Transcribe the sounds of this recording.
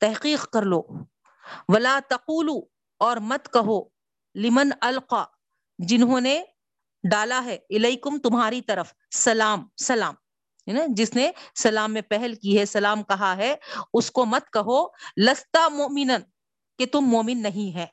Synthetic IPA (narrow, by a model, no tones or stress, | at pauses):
t̪ɛɦqiːqkɐɾloː | ʋɐlaːt̪ɐquːluː | ɔːɾmɐt̪kɐɦoː | lɪmɐnɐlqaː | d͡ʒɪnɦõːne | ɖaːlaɦɛːɪleikʊmt̪ʊmɦaːɾit̪ɐɾəf | sɐlaːmsɐlaːm | ad͡ʒɪsnesɐlaːmːẽpɛɦɛlkiɦɛsɐlaːmkɐɦaɦɛʊskomɐt̪̚kɐɦolɐst̪aːmʊʔmɪnən | ket̪ʊmːoːmɪnːɐɦĩɦɛ̃ː